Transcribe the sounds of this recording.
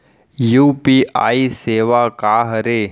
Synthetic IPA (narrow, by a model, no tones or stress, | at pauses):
jupiʔa̰ːiseːʋakaːɦəɾe